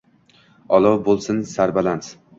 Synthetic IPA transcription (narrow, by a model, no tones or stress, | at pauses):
ɒlˠɒwbolˠsɪnsaɾbalans